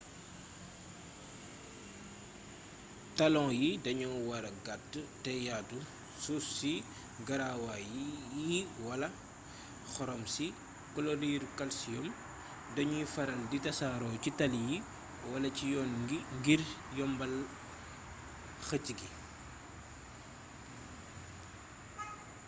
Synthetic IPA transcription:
tɐlɔ̃ŋjidɐɲɔwɐɾɐɡatːtɛjaːtu | sussi | ɡɐɾawajjiwɐlɐ | xɔɾɔmsi | kɔlɔɾiːɾkɐlsijɔm | dɐɲujifɐɾɐlditɐsaːɾɔːcitɐlji | wɐlɐcijɔːnɡiŋɡiɾjɔmbɐl | xəciɡi

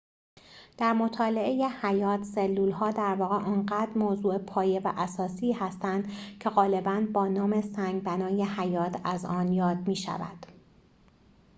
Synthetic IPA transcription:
d̪̥æɾmot̪ʰɒːle̞ʔeje̞hæjɒːt̪ʰselːuːlhɒːd̪æɾvɒːɣeʔɒːnɢæːd̪̥ɾmoːzuːepʰɒːje̞væʔæsɒːsiːhæst̪ænd̪̥cʰe̞ɣɒːle̞bænbɒːnɒːme̞sæŋɡbænɒːje̞hæjɒːt̪ʰæzɒːnjɒːd̪̚miːʃæ̰væ̰d̪̥

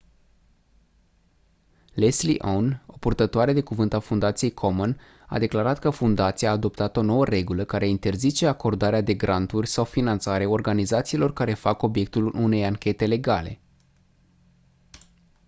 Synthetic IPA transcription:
leslḭʔono̞purt̪ət̪oaɾe̞d̪e̞kuvɨnt̪afund̪at̪sije̞jkʰo̞mon | a̰d̪e̞klaɾat̪kəfund̪at̪siaːd̪o̞p̚t̪at̪o̞no̞wəre̞ɡuləkaɾe̞int̪e̞rzit͡ʃe̞ako̞rd̪aɾead̪e̞ɡɾʔant̪urʲsawfinant̪saɾe̞o̞rɡanizat̪siːlo̞rkaɾe̞fako̞bje̞k̚t̪ulune̞jaŋkʲe̞t̪e̞le̞ɡale̞̰

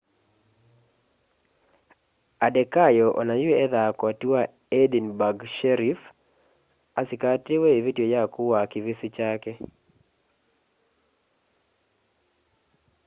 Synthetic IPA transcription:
adɛkajɔʔɔ̰najʊeɛðakɔtiwa | edinbaɡʃɛɾif | asɪkatɪweevitjojakʊwakɪvɪsɪt͡ʃakɛ

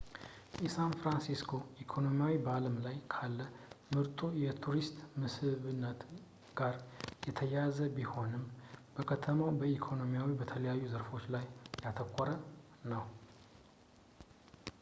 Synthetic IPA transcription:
jɛsanfɾansiskʰo̞ʔikʰo̞no̞miawibəaləmlajkʰalːəmɨɾt̪ʼujɛt̪ʰuɾist̪ʼmɨshɨβɨnːət̪ | ɡ̥aɾjɛt̪ʰəjazəbiho̞nɨmbəkʰət̪ʰəmawbəikʰo̞no̞mijawibət̪ʰələjajːuzəɾfo̞t͡ʃːlajːat̪ʰəkʷʰʼːɔɾə | nəw

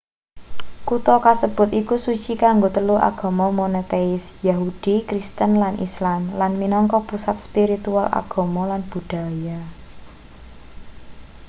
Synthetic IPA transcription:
kut̪ɔkasəb̥ʊ̤t̪ikusut͡ʃikaŋɡot̪əluʔa̰ɡ̥ɔ̤mɔmonet̪eɪsjaɦud̥ikɾist̪ənlanʔḭslamlanminɔŋkɔpusat̪̚spiɾit̪uala̰ɡ̥ɔ̤mɔlanb̥ṳɖ̥a̤ja

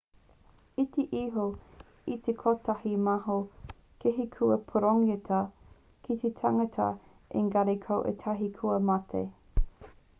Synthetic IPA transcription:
it̪eʔiɦo | it̪ʰekʰotahimaɦo | keɦikʰuɐpʰoɾoŋetʰɐ | kʰit̪etʰaŋɐtʰɐ̰ | ʔḛŋɡɐɾekʰɐwʔḛtʰɐɦikʰuɐmatʰḛ

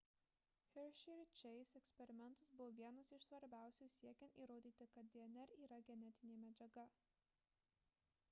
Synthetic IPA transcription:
xʲɛɾʃʲɪɾʲɪt͡ʃʲɛɪsɛksʲpʲɛɾʲɪmʲɛnt̪ɐsbʊʋoːʋʲiɛnɐsɪʃsʋɐɾʲbʲæˑʊsʲuːsʲiɛkʲɛnt̪iːɾoːd̪ʲiːt̪ʲɪkɐt̪̚d̪ʲiɛnʲɛɾiːɾɐɡʲɛnʲɛt̪ʲɪnʲeːmʲɛd͡ʒʲɛɡɐ

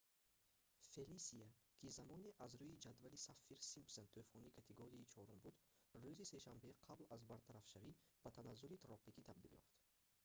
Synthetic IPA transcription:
felisiakʰizamɔniʔazɾujid͡ʒad̪valisafːiɾsimpsent̪ʰufɔnikʰat̪ʰeɡoɾiit͡ʃʰɔɾumbud̪ruzise̞ʃambe̞qʰablazbaɾt̪ʰaɾafʃavib̥at̪ʰanazːulit̪ʰɾɔpikʰit̪ʰab̚d̪iljɔ̰ft̪

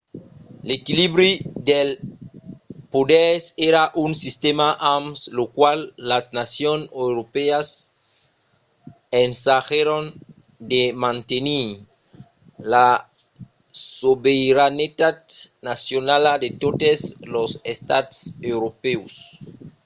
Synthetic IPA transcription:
lekiliβɾid̪el | podeɾseɾaʔunsist̪emaʔamslokwalːaznasjonewɾopeas | ensaxeɾon | d̪emãnt̪eni | la | sobeiɾanet̪ad̪̚nasjonalad̪et̪ot̪eslosest̪at̪sewɾopeus

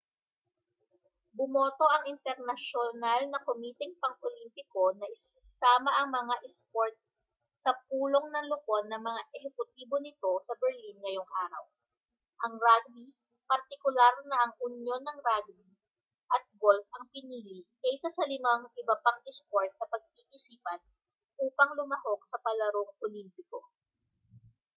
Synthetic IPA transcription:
bʊmoːt̪o̞ʔɐŋʔɪnt̪ɛɾnɐʃonalnɐkʊmiːt̪ɛŋpɐŋʔolimpɪko̞nɐʔɪsɪsaːmɐʔɐŋmɐŋaʔɛspoɹt̪̚ | sɐp̚uːlo̞ŋnɐŋloko̞nːɐŋmɐŋaʔɛhɛkʊt̪̚iːbo̞nɪt̪o̞sɐbɛɾlinŋɐjo̞ŋʔaːɾɐ̰w | ʔɐŋɾaɡ̚bi | pɐɾt̪ɪkʊlaɾnɐʔɐŋʔʊnjo̞nːɐŋɾaɡ̚bi | ʔɐt̪̚ɡolfɐŋpɪniːlikɐsɐsɐlɪmaŋʔɪbɐpaŋʔɛskoɹt̪̚nɐpɐɡ̚pikɪsiːpɐn | ʔuːpɐŋlʊmɐho̞k̚sɐpɐlɐɾoŋpolimpɪko̞

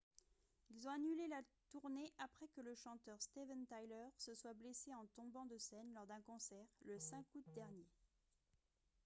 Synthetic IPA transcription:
ilzɔ̃anylelat̪uʁneʔapχɛkələʃɑ̃t̪œʁst̪evɛnt̪ajlœʁsəswableseɑ̃t̪ɔ̃bɑ̃d̪əsɛnlɔʁd̪ɛ̃kɔ̃sɛʁləsɛ̃kut̪̚d̪ɛʁnje

